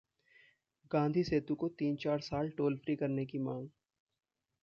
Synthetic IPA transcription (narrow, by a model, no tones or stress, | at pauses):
ɡãːnd̪ʱiseːt̪ũkot̪iːnt͡ʃaːɾsaːlʈoːlfɾikɐɾnekimãːŋɡ